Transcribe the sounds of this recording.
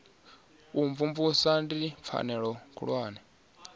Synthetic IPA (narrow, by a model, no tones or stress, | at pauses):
uɱvumvusandip̪fʰa̰nɛɺɔkʰṵɺwaːnɛ